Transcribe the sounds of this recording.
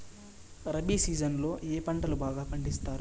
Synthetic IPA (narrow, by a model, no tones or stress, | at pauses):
ɾɐbisiːd͡ʒɐnlo̞ːʔeːpɐɳʈɐlubaːɡaːpɐɳɖist̪aːɾu